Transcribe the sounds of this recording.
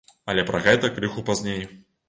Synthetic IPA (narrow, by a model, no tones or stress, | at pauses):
ɐlʲɛpɾʔɐɣɛt̪ɐkɾɨxupazʲnʲej